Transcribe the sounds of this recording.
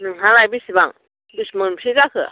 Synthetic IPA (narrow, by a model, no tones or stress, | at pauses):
nɯŋɦalajbisibaŋ | bɯsmɯnsʰizakʰɯ